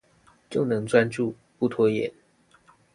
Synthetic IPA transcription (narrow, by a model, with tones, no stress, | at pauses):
t͡ɕjo˥˩ʊnɤ˧˥ŋt͡swa˥nʈ͡ʂu˥˩ | pu˥˩t̪ʰwɔ˥jɛ̰˨˩˦n